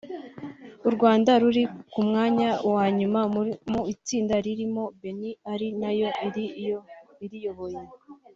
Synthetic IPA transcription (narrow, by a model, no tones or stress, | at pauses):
uɾɡwaːndaɾuɾikumŋaːɲawaːɲumamuit͡siːndaɾiɾimo̞be̞niaɾinajo̞ʔiɾioiɾijo̞βo̞je̞